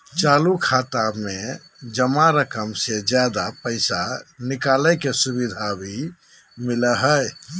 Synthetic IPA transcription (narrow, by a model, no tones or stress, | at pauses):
t͡ʃalukʰat̪ame | d͡ʒəmaɾəkəmsed͡ʒjad̪apəɪsanikaləjkesuβid̪ʱabʱi | miləɦəj